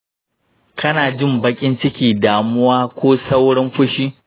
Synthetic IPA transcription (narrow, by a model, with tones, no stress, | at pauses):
kʰɐ˦naː˨d͡ʒɪ˦mbɐ˦kʲʼɪ˦nt͡ʃɪ˦kʲiː˨daː˨mʊ˦waː˦kʷoː˦sɐ˦wɽɪ˦mɸʊ˦ʃiː˦